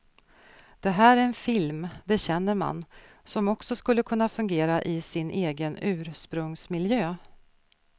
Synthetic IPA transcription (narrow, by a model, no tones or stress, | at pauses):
d̪̥ɛɦæːɾæɾɛnfɪlmd̪ɛɕɛnːəɾma̰n | sɔmɔksɔskɵlːəkʰɵnːafɵŋɡeːɾaʔɪsɪnʔeːɡənʉ̟ːɾʂpɾɵŋsmɪljøː